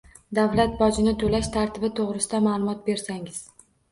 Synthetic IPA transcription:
d̪avlat̪̚bɒd͡ʒɪnɪt̪ʰolaʃt̪ʰaɾt̪ʰɪbɪt̪ʰoʁɾɪsɪd̪amaːlˠʊmɒt̪̚be̞ɾsaŋɪz̥

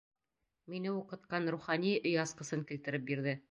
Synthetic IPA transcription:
minɘuqɤ̆t̪̚qɑnɾuχɑniʔɵjɑsqɤ̆sɤŋkilt̪ɘ̆ɾɘp̚biɾðɘ

